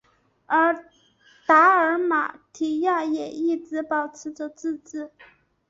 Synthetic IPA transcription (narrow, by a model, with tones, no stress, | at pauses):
ə˞˧˥ | t̪a˧˥ə˞˧˥ma̰˨˩t̪ʰi˨˩ja˥˩jɛ˨˩i˥˩t͡sɹ̩˧˥pɑ˨˩ʊt͡sʰɹ̩˧˥ʈ͡ʂə˧t͡sɹ̩˥˧t͡sɹ̩˥˩